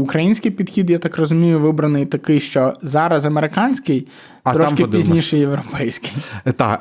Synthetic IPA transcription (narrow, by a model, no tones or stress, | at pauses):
ʊkɾɐjinʲsʲkɪjpʲid̪xʲid̪jat̪ɑkrɔzʊmʲijʊʋɪbɾɐnɪjt̪ɐkɪjʃt͡ʃɔzɑɾɐzɐmeɾɪkɑnʲsʲkɪj | tɐt̪ɾɔʃkɪpd̪iznʲiʃɛjeʋɾɔpɛjsʲkɪ̥jt̪ɑ̰